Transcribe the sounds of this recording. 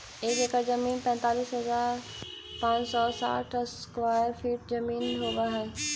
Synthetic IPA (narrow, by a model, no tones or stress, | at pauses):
eːkekazɐmiːnpɛ̃ːnt̪aːliːsɦɐzaːɾ | pãːɲsɔːsa̰ːʈʰskʋaːjəɾfʰiːʈ̚zɐmiːnɦoːʋaɦɛe